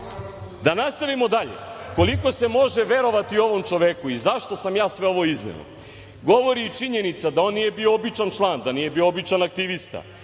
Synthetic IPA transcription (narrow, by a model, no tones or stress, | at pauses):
d̪anast̪aʋimo̞d̪aʎḛko̞liko̞se̞mo̞ʒeʋe̞ɾo̞ʋat̪io̞ʋo̞mt͡ʂoʋekuizaʃt̪o̞samjaːsʋe̞o̞ʋo̞iznḛo̰ | ɡo̞ʋo̞ɾit͡ʂiɲe̞nit̪sad̪ao̞ːnːije̞bioobit͡ʂant͡ʃlˠand̪anije̞bioobit͡ʃanak̚t̪iʋist̪a̰